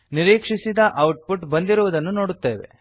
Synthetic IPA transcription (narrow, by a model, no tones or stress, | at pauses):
niɾiːkʂisid̪ɐʔɐwʈ̚puʈbɐnd̪iɾuʋud̪ɐnːuno̞ːɽut̪ːeːʋḛ